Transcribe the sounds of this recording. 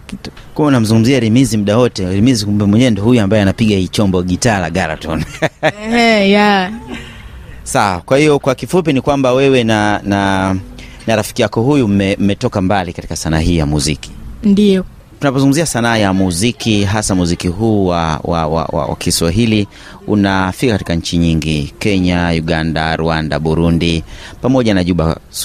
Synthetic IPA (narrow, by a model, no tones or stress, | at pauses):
kumaunam̩zuŋɡum̩ziaɾimizim̩ɗawɔtɛɾimizikum̩bɛmwɛɲɛɛndɔhujuambajɛanapiɠahiːt͡ʃɔmbɔɠitaːla̰ɠaɾa̰tɔn | ja | sawakwahijɔkwakifup̬inikwambawɛwɛnana | naɾafi̥kijakɔɦujum̩mɛm̩mɛtɔkambalikati̥kasanaːɦiːjamuziki̥ndijɔ | tunap̬ɔzuŋɡumziasanaːjamuzikiɦasamuzikiɦuːwawa̰wa̰wa̰wa̰kʰiswaɦili | unafikakati̥kaɲ̩t͡ʃiɲiŋɡikɛɲajuɠanda̰ɾuanda̰ɓuɾundipamɔʄanaʄuɓa̰